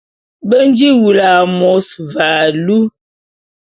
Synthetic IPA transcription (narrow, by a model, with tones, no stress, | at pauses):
bə˦n˦d͡ʒi˦wu˨la˨mɔ˨˦svaː˨lu˦